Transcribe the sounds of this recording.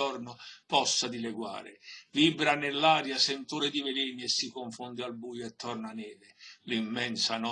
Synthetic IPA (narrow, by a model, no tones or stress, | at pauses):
ɔrnʊpɔsːad̪ilɛɡwa̰ːɾɪ̰viːbɾanɪlːaːɾjasent̪uːɾɪd̪ivɪlɛːniesːikʊɱfʊnd̪ɪalbuːjʊɛt̪ːɔrnanɛːlɪlimːɛnsanɔ